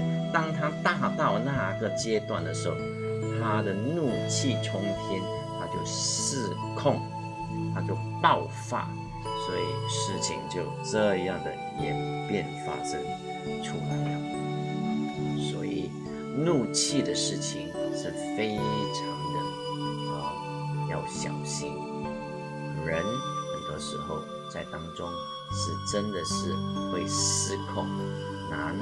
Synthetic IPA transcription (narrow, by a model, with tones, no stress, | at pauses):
t̪ɑ˥ŋt̪ʰa˥t̪a˥˧t̪ɑ˥˧ʊna˥˧ɡə˧˩t͡ɕjɛ˥t̪wa̰˥˩nd̪ə˩ʂɻ̩˧˥ho̰˥˨˩ | t̪ʰa˦d̪ə˨nu˥˧t͡ɕʰi˥˨ʈ͡ʂʰʊ˥ŋt̪ʰjɛ˥n | t̪ʰa˦t͡ɕjo˥˩ʊsɹ̩˥˧ | kʰʊ˥˧ŋ | t̪ʰa˦t͡ɕjo˥˧˩ʊpɑ˥˨ʊfa̰˥˩ | swɔ˧˥ḭ˨˩ʂɻ̩˥˩t͡ɕʰḭ˧˥ŋt͡ɕjo˥˩ʊʈ͡ʂɤ˥˧jɑ˥˩ŋd̪ə̰˩ | ɛ̰˨˩npjɛ˥˨nfa̰˥ʂə˥ŋ | ʈ͡ʂʰu˥˩ma˨˩˦jɑ̰˨˩ | swɔ̰˧˥i˨˩ | nu˥˧t͡ɕʰi˥˩d̪ə˩ʂɻ̩˥˩t͡ɕʰḭ˨ŋʂɻ̩˥˩fe˥ɪʈ͡ʂʰɑ˧˥ŋd̪ə˧ | ə˩ | jɑ˥˩ʊɕjɑ˨˩ʊɕi˥n | ɻə˧˥nə˨˩ɪd̪ə˧ʂɻ̩˧˥xo˥˧ʊ | t͡sa˥˩ɪt̪ɑ˥ŋʈ͡ʂʊ˥ŋ | ʂɻ̩˥˩ʈ͡ʂə˥nd̪ə˨ʂɻ̩˥˧xwe˥˩ɪsɹ̩˥kʰɑ˨˩ŋna˧˥n